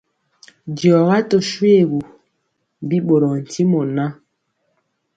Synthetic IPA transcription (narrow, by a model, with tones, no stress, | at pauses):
djɔ˨ɣa˦to˨ʃwe˦˨ɣu˨ | bi˦ɓo˨ɾɔ˨n̩˨ti˦mo˨na˦